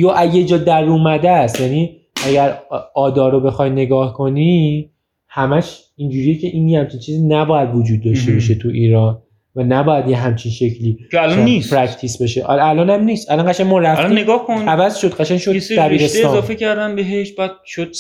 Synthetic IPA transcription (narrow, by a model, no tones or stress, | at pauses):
joʔæjed͡ʒɒːd̪æɾuːmæd̪æst̪jæniː | æɟæɾɒːd̪ɒːɾobe̞xɒjne̞ɡɒːhkʰo̞ni | hæmæʃ | ind͡ʒuːɾijecʰe̞ʔinjehæmt͡ʃʰint͡ʃʰiːzinæbɒːjæd̪vod͡ʒuːd̪̚ːɒʃt̪ebɒʃet̪ʰuʔiːɾɒːn | vænæbɒːjæd̪jeɦæmt͡ʃʰinʃe̞cʰliːkeælɒnnispʰɾækt̪ʰisbeʃeʔælɒːnæmniːst̪ʔælɒnɢæʃænmɔɾæflineɡɒːhkonævæzʃo̞d̪ɢæʃænʃod̪æbiɾeseeɒzɒːfecæɾd̪ænbeɦeʃb̥æːd̪̥̚ʃod̪̥̚